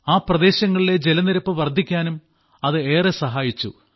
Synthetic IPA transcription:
aːprɐd̪e̞ːɕɐŋːɐɭile̞d͡ʑelɐniɾɐpːɨʋɐrd̪ʱːikʲːaːnum | ɐðɨe̞ːresɐɦaːjit͡ɕːṵ

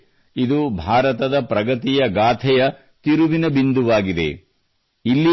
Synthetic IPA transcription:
id̪ubʱaːɾɐt̪ɐd̪ɐpɾɐɡɐt̪ijɐɡaːt̪ʰɛjɐ | t̪iɾuʋinɐbind̪uʋaːɡid̪e̞̰ | ilːi

